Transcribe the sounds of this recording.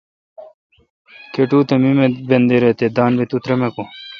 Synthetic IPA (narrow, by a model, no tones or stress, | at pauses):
keʈuːt̪ɐmimebend̪eɾet̪ed̪aːnbet̪ut̪ɾɐmeko